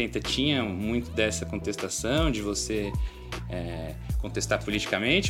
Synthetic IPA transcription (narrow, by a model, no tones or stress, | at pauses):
ẽt̪ɐt͡ʃĩɲɐmũj̃t̪ʊd̪ɛsɐkõnt̪est̪asɐ̃w̃d͡ʒɪvose | ɛ | kõt̪est̪aɾpulit͡ʃi̥kɐmẽnt͡ʃɪ